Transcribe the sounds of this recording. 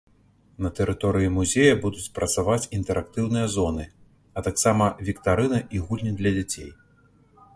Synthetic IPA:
nɐt̪ɛɾɨt̪ɔɾɨjimuzʲejɐbud̪ut͡sʲpɾɐt̪savat͡sʲint̪ɛɾʔak̚t̪ɨwnɨjɐzɔn̪ɨ | ɐt̪aksamɐvʲikt̪aɾɨnɐʔiɣulʲnʲid̪lʲɐd͡zʲat͡sʲḛj

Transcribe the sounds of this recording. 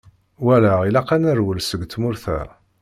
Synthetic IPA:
wælæilaqanəɾwəlsəɡt̪mʊɾθæ̰

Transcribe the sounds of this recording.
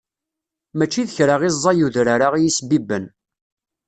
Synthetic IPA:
mæt͡ʃːiðəçɾaʁizˤːɑjuðɾaɾaʁijisbibən

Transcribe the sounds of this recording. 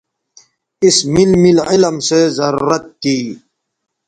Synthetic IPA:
ismilmilɪləmsezɐɾuɾət̪̚kiː

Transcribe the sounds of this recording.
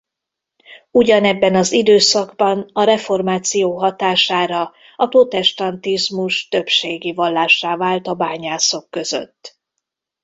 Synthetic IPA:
uɟɒnɛbːɛnɒzid̪øːsɒɡbɒnɒɾɛfo̞rmaːt̪sijoːɦɒt̪aːʃaːɾɒ | ɒpro̞t̪ɛʃt̪ɒnt̪izmuʃt̪ø̞pʃeːɡivɒlːaːʃːaːvaːlt̪ɒbaːɲaːso̞kːø̞zø̰t̪ː

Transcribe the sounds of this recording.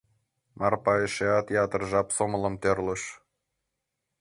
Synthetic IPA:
mɑrpɑeʃeɑt̪jɑt̪ərʒɑpsomələ̆mt̪ørloʃ

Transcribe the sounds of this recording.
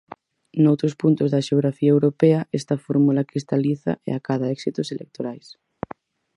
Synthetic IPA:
nowt̪ɾospunt̪ozðaʃeoɣɾafiaewɾopeaɛst̪afoɾmulakɾist̪aliθa̰ḛakaðaɛksit̪oselʔḛk̚t̪oɾajs

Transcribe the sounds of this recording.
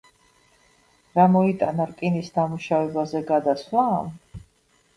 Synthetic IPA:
ɾamɔit̪ʼanaɾkʼinisd̪amuʃavɛbazɛɡad̪aslˠaːm

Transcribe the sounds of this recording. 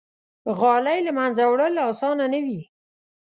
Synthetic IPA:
ɣɑlajlamanzawɽəlɑsɑnanəwi

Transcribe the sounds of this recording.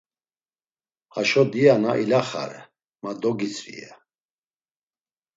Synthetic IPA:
aʃɔd̪ijanaʔilaχa̰ɾɛ | mad̪ɔɡit͡sʰʼvḭa

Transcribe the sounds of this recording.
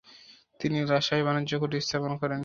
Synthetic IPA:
t̪iniɾaʃajbanodːʑokoʈist̪ʰaponkɔɾen

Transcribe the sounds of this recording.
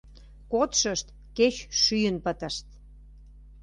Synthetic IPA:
kot̪ʃəʃt̪ | ket͡ɕʃyjənpət̪ə̆ʃt̪

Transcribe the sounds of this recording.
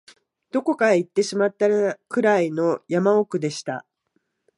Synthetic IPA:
d̪̥o̞ko̞kait̪ːe̞ɕimat̪ːaɾkɯ̟ɾaino̞jamaokɯ̟d̪e̞ɕi̥t̪a̰

